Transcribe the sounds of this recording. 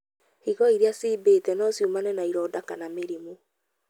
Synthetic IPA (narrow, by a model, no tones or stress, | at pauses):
hiɣɔiɾeasiːbeːtɛnɔsjumanɛnaiɾɔːdakanameɾimu